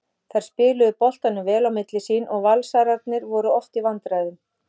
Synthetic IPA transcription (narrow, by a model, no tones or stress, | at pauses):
θajɾ̥spɪːlʏðʏpɔl̥t̪anːʏvɛːlawmɪt̪lɪsiːnʔɔɣvalsaɾaɾt̪nɪɾvɔɾʏɔht̪ivant̪ɾajðʏm